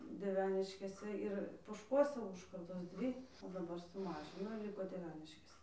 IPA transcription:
dʲiɛˈʋʲæːnʲɪʃʲkʲeːsʲɛ ˈɪr poːʃˈkuɔsʲɛ ˈuːʃkɐrdoːs ˈdʲʋʲiː oː dɐˈbɐr sʊˈmɑːʒʲɪnoː ɪr ˈlʲɪkoː dʲiɛˈʋʲæːnʲɪʃʲkʲeːsʲɛ

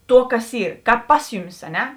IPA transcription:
ˈtuɔ ˈkɐs ˈɪ ˈkɑːp ˈpɐs jʊˌmʲɪs ɐ ˈnʲɛ

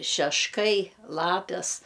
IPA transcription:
ʃʲɛʃˈkɐɪ ˈlˠɑːpʲɛs

